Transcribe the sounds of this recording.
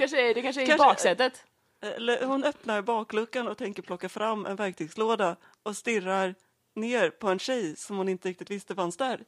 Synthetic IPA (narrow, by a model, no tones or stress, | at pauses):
anʂəd̪ɛkanʂəɛkabɑːksɛt̪ːət̪ | ɛ̰lːəhʊnœpnaɾbɑːklɵkːanɔt̪ʰɛŋkəɾpʰlɔkːafɾamːʔɛ̰nvæɾk̚t̪ʰyːɡsloːd̪a | ɔst̪ɪrːaɾ | neːɾpʰɔɛnɕɛjsɔmhʊnɪnt̪əɾɪk̚t̪ɪt̪vɪst̪əvansd̪æːɾ